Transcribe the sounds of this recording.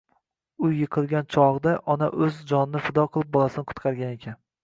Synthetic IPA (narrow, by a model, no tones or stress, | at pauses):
ʊjːɨqʰɨlˠɡʲant͡ʃʰɒʁd̪aʔɒnaʔɵzd͡ʒɒnɪnɪfɪd̪ɒqʰɨlˠɪp̚bɒlˠasɪnɪqʰʊ̥t̪qʰɑɾɡʲane̞kʲʰan